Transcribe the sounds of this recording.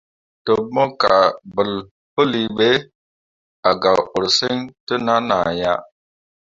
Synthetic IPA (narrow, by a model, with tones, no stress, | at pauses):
tə˨˦mo˦ka˨bə˨l | pə˦li˨ɓe˦ | a˨ɡa˨wo˨ɾsə˦ŋtə˦na˦na˨ja˦